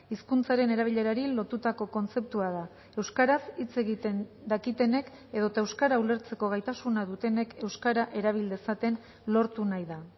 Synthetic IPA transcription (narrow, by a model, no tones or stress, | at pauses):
iskunt͡saɾe̞ne̞ɾaβ̞iʎe̞ɾaɾilo̞t̪ut̪ako̞ko̞nt͡se̞p̚t̪uað̞a | e̞wskaɾasit͡se̞ɣit̪end̪akit̪e̞ne̞k | e̞ð̞o̞t̪aewskaɾaule̞ɾt͡se̞ko̞ɣ̞ajt̪asunaðut̪e̞ne̞ke̞wskaɾaʔe̞ɾaβ̞ild̪e̞sat̪e̞n | lo̞ɾt̪unajða